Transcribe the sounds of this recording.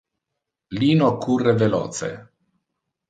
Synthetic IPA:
liːnokʰurːevelɔ̰ːt̪sḛ

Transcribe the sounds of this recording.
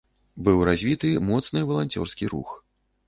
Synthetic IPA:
bɨwɾazʲvʲit̪ɨmɔt̪snɨvɐlˠanʲt͡sʲɔ̰rskʲiɾṵx

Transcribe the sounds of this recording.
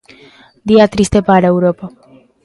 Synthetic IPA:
d̪iat̪ɾist̪epaɾaewɾopa

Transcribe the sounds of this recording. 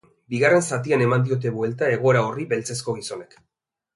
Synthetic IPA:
biɣare̞nsat̪̬iane̞mand̪io̞t̪̬e̞βue̞lt̪ae̞ɣ̞o̞eɾaoriβe̞lt͡se̞sko̞ɣ̞iso̞ne̞k

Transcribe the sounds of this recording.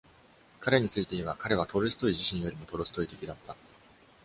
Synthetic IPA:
kaɾe̞ɲ̟it͡sɨit̪e̞iβakaɾe̞βat̪o̞ɾesɨ̥t̪o̞iʑiɕĩɰ̃jo̞ɾʲimo̞t̪o̞ɾo̞sɨ̥t̪o̞it̪e̞kʲid̪at̪ːa

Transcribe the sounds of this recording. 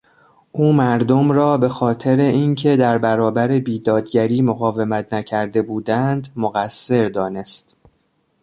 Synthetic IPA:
ʔuːmæɾd̪omɾɒːbe̞xɒːt̪ʰe̞ɾe̞incʰe̞d̪æɾbæɾɒːbæɾe̞biːd̪ɒːd̪ɟæɾiːmoɣɒːve̞mæt̪ʰnæcʰæɾd̪e̞buːd̪ænd̪moɣæsːe̞ɾd̪ɒːne̞st̪

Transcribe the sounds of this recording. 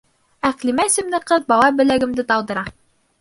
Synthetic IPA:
æqlimæsɘ̆mnɘqɤðbɑlˠɑbɘ̆læɡɘ̆md̪ɘt̪ɑw̪ˠd̪ɤ̆ɾɑ

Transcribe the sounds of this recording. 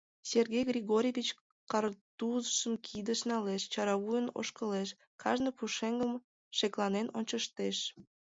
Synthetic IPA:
sʲerɣʲejɣrʲiɣoɾʲjevʲit͡ɕ | kɑrt̪uzəʃəmkʰid̪əʃnɑleʃt͡ɕɑɾɑβujəno̰ʃkəleʃ | kʰɑʒnəpuʃeŋɡəm | ʃeklɑnenonʲt͡ɕəʃt̪eʃ

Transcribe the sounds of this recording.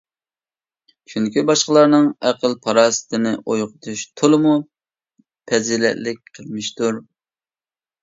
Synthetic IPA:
t͡ʃʰyŋkʲibɑʃqəlˠɑɾnɨŋæqəlpʰɑɾɑːsɨ̥t̪ʰɪnɪʔojqʊt̪ʰuʃt̪ʰolˠɨmu | pʰɛzilɛ̰tlɪk̚ʲqʰəlˠmɪʃt̪uɾ

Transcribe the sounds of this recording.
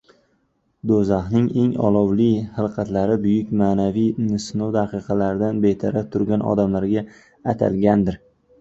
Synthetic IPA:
d̪ozahnɪŋe̞ŋɒ̰lˠɒwlijhɨlˠqʰɑt̪laɾɪbʊjɪkʲmaːnavijnɪsnowd̪aqɨqʰɑlaɾɪd̪anbe̞t̪ʰaɾat̪ʰʊɾɡʲanɒ̰d̪amlaɾɡʲaː | t̪ʰa̰lɡʲand̪ɪɾ

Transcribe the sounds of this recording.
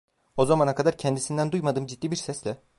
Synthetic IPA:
o̞zamanakʰad̪aɾcʰɛnd̪isind̪ænd̪ujmad̪ɯːmd͡ʒit̪̚ːiːbiɾsɛslʲɛ

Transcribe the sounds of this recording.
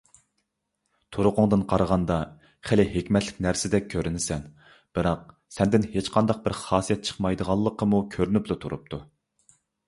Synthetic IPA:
t̪ʰuɾʊqʊŋd̪ɨnqʰɑɾəʁɑnd̪ɑ | χɪlɪɦekʲmɛt̪ʰlɪ̥kʲnæɾsɪd̪ɛk̚ʲkʲʰːøɾynɪsɛn | b̥ɨɾɑq̚ | sɛnd̪ɪnhet͡ʃqʰɑnd̪ɑq̚bɪɾχɑːsijɛt̪̚t͡ʃʰə̥χmɑjd̪əʁɑlˠːəqʰəmukʲʰøɾynyplˠut̪ʰuɾṵp̚t̪ʰu

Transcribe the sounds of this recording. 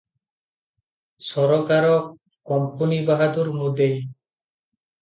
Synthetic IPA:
sɔɾɔkaɾɔ | kɔmpunibaɦad̪uɾmud̪ej

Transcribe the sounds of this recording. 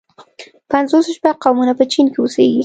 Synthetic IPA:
panzosoʃpaqawmunapət͡ʃinkeoseɡi

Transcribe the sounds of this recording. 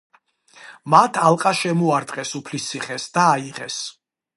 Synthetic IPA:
mat̪ʰalˠqʼaʃɛmuaɾt̪ʼqʼɛsupʰlist̪siχɛsd̪aːiʁɛ̰s

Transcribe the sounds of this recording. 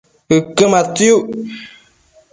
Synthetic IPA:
ɨkematuu

